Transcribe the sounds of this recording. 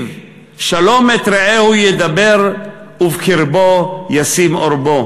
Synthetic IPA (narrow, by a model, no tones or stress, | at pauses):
v | ʃalomet̪ɾeehujed̪abeɾ | uvkiɾbojasimoɾbo